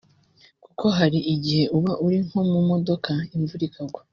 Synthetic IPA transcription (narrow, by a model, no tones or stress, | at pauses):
kukʰo̞ɦaɾiʔiɟihe̞ʔuβaʔuɾiŋ̥ho̞mumo̞do̞kaiɱvuɾikʰaɡwa